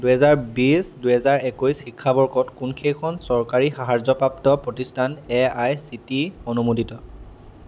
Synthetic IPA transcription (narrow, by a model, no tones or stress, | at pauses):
duɦɛzaɹbisduɦɛzaɹekojsxikʰːabɔɹkɔtkunkʰejkʰɔnsɔɹkaɹixaɦaɹzɔpɹaptɔpɹɔtistʰanɛajsitionumoditɔ